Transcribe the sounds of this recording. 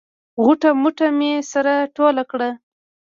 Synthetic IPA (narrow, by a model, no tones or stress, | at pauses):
ɣʊʈamʊʈamesaɾaʈolakɽa